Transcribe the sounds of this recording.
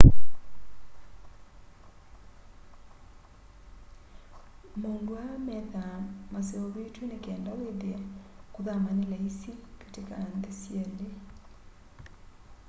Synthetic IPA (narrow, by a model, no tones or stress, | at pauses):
moːndoamɛðamaseɔβeːtwenekɛːndaweðea | kuðamanelaisike̥tekanðesjɛle